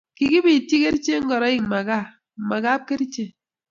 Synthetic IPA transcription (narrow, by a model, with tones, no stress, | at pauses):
ki˨ki˦bi˨ti˦ke˦ɾt͡ʃe˦ŋ̩˦ɡɔ˨ɾɔ˨˦i˦˨ŋma˨ɡa˦˨ | ma˨ɡa˦p̚ke˦ɾt͡ʃe˦